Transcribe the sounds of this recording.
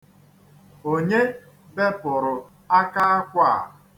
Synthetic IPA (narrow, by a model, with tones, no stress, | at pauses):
o˦ɲe˦ | be˦pʊ˨ɾʊ˨ | a˦ka˦a˦kʷa˦˨